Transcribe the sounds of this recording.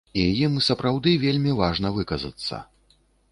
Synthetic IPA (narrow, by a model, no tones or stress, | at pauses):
ijimsɐpɾawd̪ɨvʲelʲmʲivaʐnɐvɨkɐzɐ̰t̪sːɐ̰